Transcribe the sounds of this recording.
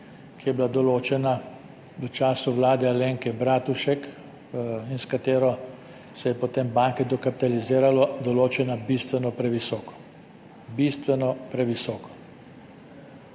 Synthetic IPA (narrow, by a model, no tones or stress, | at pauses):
kijɛblad̪ɔloːt͡ʃɛna | ʋət͡ʃaːsuʋlaːd̪ɛaleŋkɛbɾaːt̪uʃɛk | inskat̪eːɾɔ | sɛjɛpɔt̪embaːŋkɛd̪ɔkapi̥t̪aliziːɾalɔd̪ɔloːt͡ʃɛnabist̪ʋɛnɔpɾɛʋisɔːkɔ̥ | bist̪ʋɛnɔpɾɛʋisɔːkɔ̥